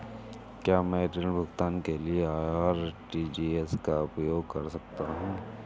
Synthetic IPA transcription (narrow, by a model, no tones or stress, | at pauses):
kjaːmɛ̃ʈɾɪbʱʊɡt̪aːnkelieaːjaːɾʈiːd͡ʒiːeskaʊpjoːɡkɐɾsɐk̚t̪aɦũː